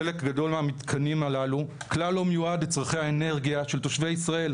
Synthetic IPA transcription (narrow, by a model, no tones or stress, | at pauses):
elekɡad̪o̞lmeamit̪kʰanimalaluklalːo̞mejuadet͡sʁaχejhaene̞ʁɡijaʃe̞lt̪o̞ʃvejisʁae̞l